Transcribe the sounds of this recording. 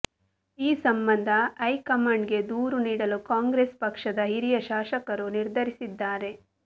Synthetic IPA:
iːsɐmbɐnd̪ʱɐːjkɐmaɳɖɡe̞d̪uːɾuniːɽɐlukaːŋɡɾeːspɐkʂɐd̪ɐɦiɾijɐʃaːʃɐkɐɾuniɾd̪ʱɐɾisid̪ːaːɾe̞

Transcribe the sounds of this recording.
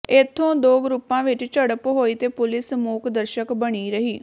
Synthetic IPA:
ɪt̪ʰːõːd̪oːɡɾupːãːʋɪt͡ʃt͡ʃəɽəpɦoːiːt̪eːpʊlɪsmuːkʰd̪əɾʃəkbəɽ̃iːɾəɦiː

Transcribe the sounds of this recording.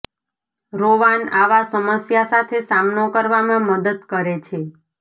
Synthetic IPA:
ɾoʋanaʋasəməsjasat̪ʰesamnokəɾʋamãməd̪əd̪kəɾet͡ʃʰe

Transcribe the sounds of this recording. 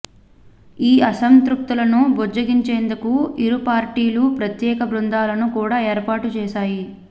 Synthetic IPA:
iːɐsɐnt̪ɾuk̚t̪ulɐnubod͡ʒɐɡiɲt͡ʃeːnd̪ukuiɾupaːɾʈiːlupɾɐt̪jɛːkɐbɾund̪aːlɐnukuːɽaːeːɾpaːʈut͡ʃɛːʃaːji

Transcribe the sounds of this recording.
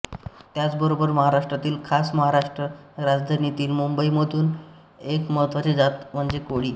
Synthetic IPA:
t̪jat͡sbəɾobəɾməɦaɾaʂʈɾat̪iːlkʰasməɦaɾaʂʈɾəɾad͡zd̪ʱanit̪iːlmumbəiməd̪ʱuːn | ekməət̪ʋat͡ɕed͡zat̪m̤əɳd͡zekoɽiː

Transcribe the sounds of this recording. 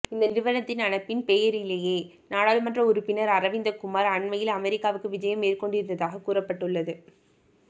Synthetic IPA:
ɪnd̪ɐnɪɾɯʋɐɾɐt̪ːɪnɐnɐpːɪnpɛjɐɾɪlːɐjeː | naːɽaːlɯmɐndrɐʊɾʊpːɪnɐɾɐɾɐʋɪnd̪ɐkʊmaːɾɐɳmɐjɪlɐmɛɾɪkːaːʋɯkːɯʋɪd͡ʒɐjɐmːeːrkɔɳɖɪɾɯnd̪ɐðaːɣɐkːuːrɐpːɐʈːɯɭːɐðɯ

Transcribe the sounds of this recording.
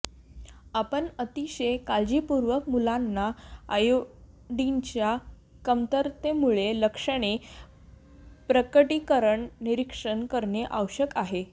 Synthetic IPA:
apəɳət̪iɕəkald͡ʑiːpuɾʋəkmulanːaajo | ɖiɲt͡ɕja | kəmt̪əɾt̪emuɭeləkʂəɽ̃e | pɾəkəʈikəɾəɳniɾikʂəɳkəɾɳjeʔawɕəkaɦe

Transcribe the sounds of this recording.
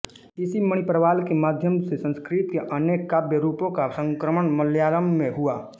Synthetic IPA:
ɪsiməɽ̃ipɾəʋaːlkemaːd̪ʱjəmsesə̃nskɾit̪keʔɐneːkːabjəɾuːpõkasə̃ŋkɾəməɳməljaːɾəmːẽɦuaː

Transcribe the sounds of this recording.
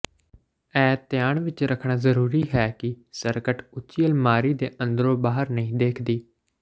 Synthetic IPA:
ɛːt̪jaːɳʋɪt͡ʃɾəkʰɳaːzəɾuːɾiːɦɛːkɪsəɾkəʈʊt͡ʃiːəlmaːɾiːd̪eːʔə̃nd̪əɾõːbaːɦəɾnəɦĩːd̪eːkʰd̪iː

